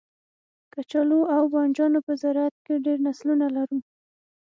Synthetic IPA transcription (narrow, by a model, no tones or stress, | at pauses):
kat͡ʃaloʔawbɑnd͡ʒɑnopəzaɾat̪̚keɖeɾnaslunalaɾum